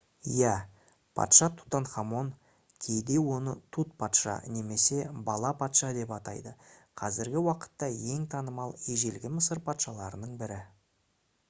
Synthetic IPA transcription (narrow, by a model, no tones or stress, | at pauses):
jæ | pʰɑ̰t̪ʃɑt̪ʰu̥t̪ɑnχɑmo̞n | kʲʰe̞jd̪e̞wo̞nət̪ʰut̪̚pʰɑt̪ʃɑ̰ne̞me̞se̞bɑlˠɑpʰɑt̪ʃɑd̪e̞pɑt̪ɑ̰jd̪əqʰɑzɪɾɡʲɪwɑqə̥t̪ːɑje̞ŋt̪ʰɑnəmɑlˠeʒe̞lɡʲɪməsəɾpʰɑt̪ʃɑlˠɑɾənəɴbɪɾɪ